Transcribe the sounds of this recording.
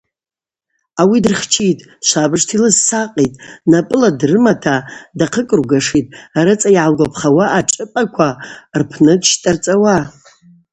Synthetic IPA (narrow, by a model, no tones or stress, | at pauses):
awidɨrχt͡ʃʰitʼ | ʃʷabɨʐtʰilɨzsaqʼitʼnapʼɨladrɨmatʰadaqʰəkʼɨrɡaʂitʼaɾɨt͡sʼajʕalɡʷapʰχawaʔːʈ͡ʂʼɨpʼakʷʰarpʰnɨdʃtʼart͡sʼawa